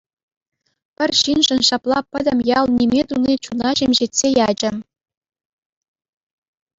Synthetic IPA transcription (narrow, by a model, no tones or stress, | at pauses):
pʲɘ̆rʲɕinʐɘ̆nɕɑplˠɑpʲɘ̆dʲɘ̆mʲjɑlˠnʲimʲet̪unʲit͡ɕunɑʑemʲʑetʲsʲejɑd͡ʑɘ̆